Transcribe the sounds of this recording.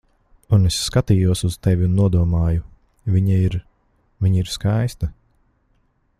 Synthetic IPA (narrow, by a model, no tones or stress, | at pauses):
unesːkat̪iːjuɔsuz̥t̪ɛvʲiunːuɔd̪uɔmaːju | vʲiɲaiɾ | vʲiɲiɾskajst̪ɐ